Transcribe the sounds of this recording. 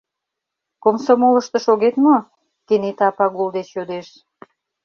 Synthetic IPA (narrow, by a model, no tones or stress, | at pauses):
komsomoləʃt̪ə̆ʃoɣet̪mo | kenet̪ɑpɑɣuld̪et͡ɕjod̪eʃ